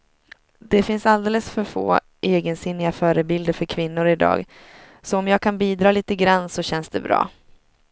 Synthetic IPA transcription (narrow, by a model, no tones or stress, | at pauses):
d̪̥ɛfɪnsald̪eːləsfœɾfo̰ː | ʔeːɡənsɪnːɪɡafœːɾəbɪld̪əɾfœɾkʰvɪnːʊɾɪd̪ɑ̰ːɡ | sɔɔmjɑːɡ̚kʰanbiːd̪ɾɑːliːt̪əɡɾanːsɔɕɛnsd̪ɛbɾɑ̰ː